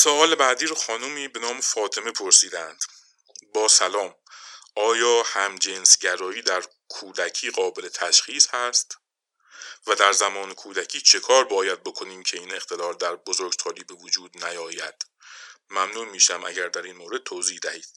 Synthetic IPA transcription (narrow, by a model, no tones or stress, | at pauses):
soɒːlebæːd̪iːɾoxɒːnumiːbe̞nɒːme̞fɒːt̪ʰe̞me̞pʰo̞ɾsiːd̪ænd̪̥ | bɒːsælɒːm | ʔɒːjɒːhæmd͡ʒensɟæɾɒːjiːd̪æɾ | kʰuːd̪æcʰiːɢɒːbelet̪ʰæʃxiːshæst̪ | væd̪æɾzæmɒːne̞kʰuːd̪æcʰiːt͡ʃʰe̞kʰɒːɾbɒːjæd̪̚bo̞kʰo̞niːmcʰeiːne̞xt̪ʰe̞lɒːɾd̪æɾbozo̞ɾɡsʰɒːliːbe̞vod͡ʒuːd̪næjɒːjæ̰d̪̥ | mæmnuːmiːʃæmʔæ̰ɟæɾd̪æɾiːnmoːɾe̞d̪̚t̪ʰoːziːhd̪æhiːd̪̥̚